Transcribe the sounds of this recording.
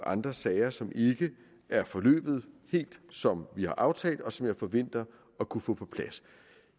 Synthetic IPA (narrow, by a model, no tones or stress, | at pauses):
ɑ̈nd̥ʁɐsɛɪɐsɒ̽mʔe̝ɡ̥ə | æɐfɒ̽lø̰ːb̥ð̞̩ˠhe̝̰ːld̥sɒ̽mʋihɑ̈ʔɑ̈ʊt͡sʰɛ̰ːld̥ɒ̽sɒ̽mjɑ̈ɪfɒ̽ʋen̰d̥ɐ | ɒ̽kʰufɔ̰ːpʰɒ̽pʰlæs